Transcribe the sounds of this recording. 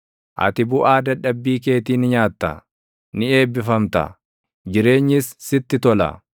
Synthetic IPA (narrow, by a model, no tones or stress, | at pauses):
ʔɐ̰t̪ɪbʊʔaːd̪ɐᶑɐbːiːke̞ːt̪iːnɪɲaːt̪ːɐ̰ | nɪe̞ːbːɪfɐmt̪ɐ̰ | d͡ʒɪɾe̞ːɲːɪsːɪt̪ːɪt̪ɔlɐ̰